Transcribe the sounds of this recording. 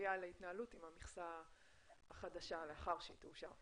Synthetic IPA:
jaleit̪naalutimamiχsa | aχadaʃaleaχaʁʃituʃa

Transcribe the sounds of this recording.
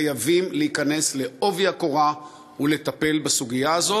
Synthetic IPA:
javimleikane̞sle̞ʔo̞vjako̞ʁa | ule̞t̪ape̞lbasuɡijaːzo

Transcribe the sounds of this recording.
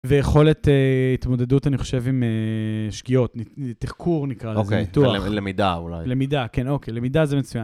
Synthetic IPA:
vejeχo̞let̪eit̪mo̞d̪e̞dutaniχo̞̥ʃe̞vimeʃkio̞tnitiχkʰuʁnikʁalozkeitualemid̪aula̰jlemid̪akeno̞kejlemidazemet͡sujan

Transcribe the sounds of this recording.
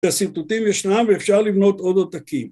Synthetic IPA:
asit̪ut̪imjeʃnamveːfʃaʁlivno̞t̪o̞d̪at̪akim

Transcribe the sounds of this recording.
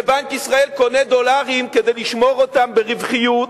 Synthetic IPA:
ebankisʁae̞lko̞ned̪o̞laʁimked̪ejliʃmo̞ʁot̪ambeʁivχijut

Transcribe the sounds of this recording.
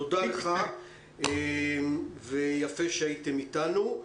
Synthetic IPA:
odaleχa | emvejafeʃeaitemitanu

